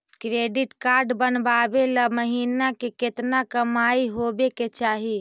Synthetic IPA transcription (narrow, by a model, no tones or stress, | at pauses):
kɾeɖiʈkaɾɖbənbabeləməɦinakeket̪nakəmaiɦobeket͡ʃaːɦi